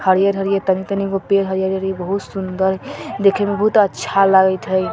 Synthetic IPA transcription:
həɾijəɾɦəɾijet̪ənit̪ənikopeɾɦəɾijəɾɦəɾiebəɦut̪sund̪əɾd̪ekʰemebəɦut̪ətːʃʰalaɡət̪ʰɦəj

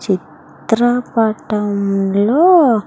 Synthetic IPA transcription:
t͡ʃit̪ɾəpaʈamlo

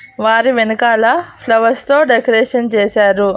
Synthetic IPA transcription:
ʋaːɾiʋenɐkaːlɐpʰlɐʋɐst̪o̞ːɖekɐɾeːʂɐnt͡ʃeːsaːɾu

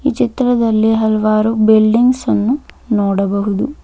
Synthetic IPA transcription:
ḭːt͡ʃit̪ɾɐd̪ɐlːiɦɐlʋaːɾubilɖiŋɡsɐnːu | nɔːɽɐbɐɦud̪u

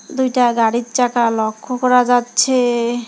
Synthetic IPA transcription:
d̪ujʈaɡaɽitt͡ʃakalɔkʰːokɔɾad͡ʑatːɕʰe

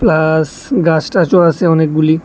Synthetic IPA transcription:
plas | ɡasʈat͡ʃɔɽasʰeɔnek̚ɡuli

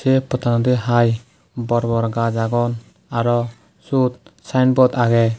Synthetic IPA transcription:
sɛpɔt̪ʰanɔd̪ɛɦaj | bɔɾbɔɾɡad͡ʒaɡɔn | aɾɔ | sut̪̚sajnbɔt̪aɡɛ

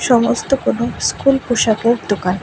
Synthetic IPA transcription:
ʃɔmost̪okonoskulpuʃakeɾd̪okan

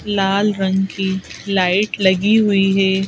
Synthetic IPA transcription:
laːlɾə̃ŋɡkilaːɪʈlɐɡiɦʊiɦɛː

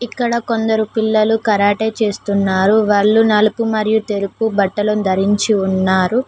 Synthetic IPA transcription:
ikːɐɽɐko̞nd̪ɐɾupilːɐlukɐɾaːʈeːt͡ʃe̞ːst̪unːaːɾuʋaːɭːunɐlupumɐɾijut̪e̞ɾupubɐʈːɐlɐnd̪ʱɐɾiɲt͡ʃiunːaːɾu

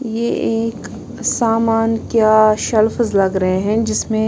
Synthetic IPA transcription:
jeeːk | saːmaːnkjaːʃɐlfzlɐɡɾɐɦeɦɛ̃d͡ʒɪsmẽ

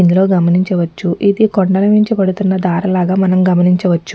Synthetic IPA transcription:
ind̪ulo̞ːɡɐmɐniɲt͡ʃɐʋɐt͡ʃːuʔid̪ikoɳɖɐlɐmiɲt͡ʃipɐɽut̪unːɐd̪aːɾɐlaːɡaːmɐnɐmɡɐmɐniɲt͡ʃɐʋɐt͡ʃːu̥

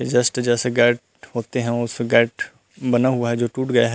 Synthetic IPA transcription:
ed͡ʒəsʈd͡ʒɛːseɡɛːʈ | ɦoːt̪eɦɛ̃ʊsɡɛːʈ | bɐnaɦʊaɦɛd͡ʒoːʈuːʈɡɐeɦɛ

